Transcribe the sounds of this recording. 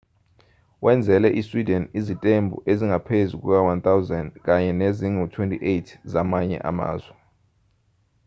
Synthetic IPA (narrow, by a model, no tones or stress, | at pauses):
wʔɛnd͡zʱɛlɛʔiswidɛnizitʼembʱṵʔeziŋapʰezuk̬ukawant̪awzɛndk̬ʼaɲɛneziŋutʰwentʰʼiʔetʰzamaɲɛ̰ʔa̰ma̰ːzwɛ